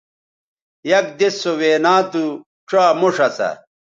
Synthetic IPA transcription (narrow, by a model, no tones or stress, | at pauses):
jɐk̚d̪esːoweːnaːt̪u | ʈ͡ʂwaːmoʂɐsɐ̰